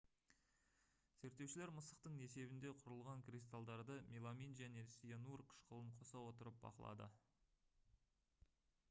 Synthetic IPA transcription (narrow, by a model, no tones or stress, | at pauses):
z̥eɾt̪ːe̞wʃɪle̞ɾməsəqt̪əɴe̞se̞bɪnd̪e̞qʰʊɾəlˠʁɑŋkrʲist̪alˠd̪ɑɾd̪əmʲilˠaminʒæne̞sijenurqʰə̥ʃqʰəlˠəɴqʰo̞sɑwo̞t̪əɾəp̚bɑ̰qəlˠɑ̰d̪ə̰